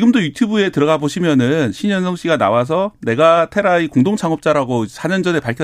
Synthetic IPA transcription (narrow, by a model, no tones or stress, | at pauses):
iɡɯmdojutʰjubue̞tɯɾʌɡaboɕʰimjʌnɯnɕʰiɲʌnsʰʌŋɕ͈ʰiɡana̰was̬ʰʌne̞ɡatʰe̞ɾaikoŋdoŋt͡ɕʰaŋʌp̚t͡ɕ͈aɾaɡosʰaɲʌnd͡ʑʌne̞paɭkʰʌ